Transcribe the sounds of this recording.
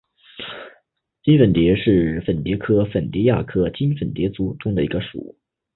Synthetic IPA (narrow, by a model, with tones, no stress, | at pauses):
t͡ɕi˥nfə˨˩nt̪jɛ˧˥ʂɻ̩˥˩fə˨˩nt̪jɛ˧˥kʰɤ˥fə˨˩nt̪jɛ˧˥ja̰˥˩kʰɤ˥t͡ɕi˥nfə˨˩nt̪jɛ˧˥t͡su˧˥ʈ͡ʂʊ˥ŋd̪ə˨˩i˧˥ɡə˧ʂṵ˨˩˦